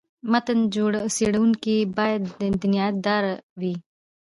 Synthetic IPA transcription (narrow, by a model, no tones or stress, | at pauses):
mɐt̪ənd͡ʒuɽsiɽunkibaːjəd̪b̪ɪnjaːt̪̚d̪aːɾʋiː